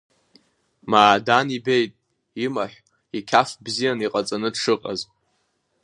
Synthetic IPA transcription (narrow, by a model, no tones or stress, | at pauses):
maːdanibejtʼ | imaħʷ | ikʲʰafbzijaniqʼat͡sʼanɨdʂɨqʼa̰z